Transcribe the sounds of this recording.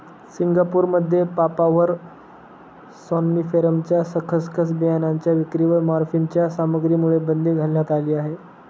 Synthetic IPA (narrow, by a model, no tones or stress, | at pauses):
siŋɡapuɾməd̪ʱːjepapaʋəɾ | sɔnːifeɾəmt͡ɕjasəkʰəskʰəsbijanaɲt͡ɕjaʋikɾiːʋəɾmaɾfiɲt͡ɕjasaməɡɾiːmuɭebənd̪ʱiːɡʱalljat̪aliːaɦe